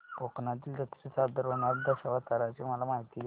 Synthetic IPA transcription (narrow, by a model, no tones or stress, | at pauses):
poknat̪̬iːld̪ət̪ɾisad̪əɾonad̪əɕaʋat̪əɾat͡ɕiməlamaɦit̪il